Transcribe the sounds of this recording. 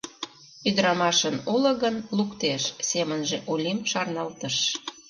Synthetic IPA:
yd̪əɾɑmɑʃənulə̆ɣənlukt̪eʃsemənʒeʔulʲimʃɑrnɑlt̪əʃ

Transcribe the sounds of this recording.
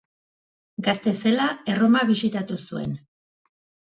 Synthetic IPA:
ɡast̪e̞se̞lae̞ro̞maβisit̪at̪usue̞̰n

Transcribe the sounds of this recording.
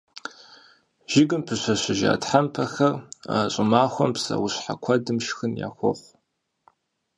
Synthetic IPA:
ʒ̥ɪɡɨmpʰɨɕʷɐɕɪʒa̰ːtħampʰɐxɐraːɕʼɪmaːxʷɔmpsɐ̰wʊɕħakʷʰɐdɨmʃxɨnja̰ːxʷɔχʷ

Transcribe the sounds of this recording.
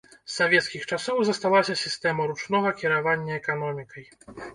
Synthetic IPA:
sːavʲɛt̪skʲixt͡ʂasɔwzɐst̪alˠasʲɐsʲist̪ɛmɐɾut͡ʂnɔɣɐkʲiɾavanʲːɐɛkan̪ɔmʲikɐj

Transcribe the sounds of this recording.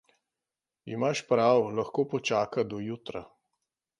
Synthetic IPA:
imaʃpɾawlaxkoːpɔt͡ʃaːkad̪ɔjut̪ɾa̰

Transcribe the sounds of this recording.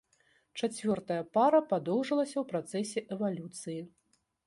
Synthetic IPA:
t͡ʂat͡sʲvʲɔrt̪ɐjɐpaɾɐpad̪ɔwʐɨlˠɐsʲɐwpɾat̪sɛsʲɛʔɛvalʲut̪sɨji

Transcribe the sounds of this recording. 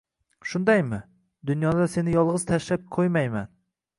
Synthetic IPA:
ʃʊnd̪ajmɪ | d̪ʊnjɒd̪ase̞nɪjɒlˠʁɨzt̪ʰaʃlap̚kʰojmajma̰n

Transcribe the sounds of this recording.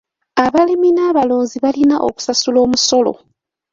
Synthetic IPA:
aβaliminaːβaloːnziβalinaʔo̰ku̥sasulo̞ːmuso̞lo̞̰

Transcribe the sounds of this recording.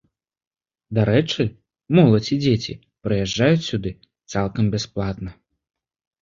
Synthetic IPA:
d̪aɾɛt͡ʂɨ | mɔlˠɐt͡sʲid͡zʲet͡sʲḭ | pɾɨjɛʐd͡ʐajut͡sʲsʲud̪ɨ | t̪salˠkɐmbʲɛsplˠat̪nɐ

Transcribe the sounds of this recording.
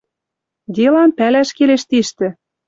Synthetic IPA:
d̪ʲelɑnpælæʃkeleʃt̪iʃt̪ɘ̆

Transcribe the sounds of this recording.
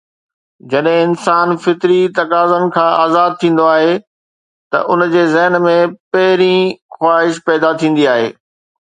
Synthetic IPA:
d͡ʑɐɗɦẽɪnsaːnfɪt̪ɾit̪ɐkaːzənɪ̆kʰãːaːzaːd̪̚t̪ʰĩːn̆d̪oaːɦe | t̪ɐ̰ʔʊnd͡ʑeːzɛɦnmẽpɐɦɪɾĩxwaːɦɪʃpɛːd̪at̪ʰĩːn̆d̪iaːɦeː

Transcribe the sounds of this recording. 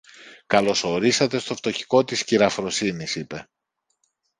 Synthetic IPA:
kɐlo̞so̞ɾisɐt̪e̞st̪o̞ft̪o̞çi̥ko̞t̪isciɾɐfɾo̞sinisipe̞

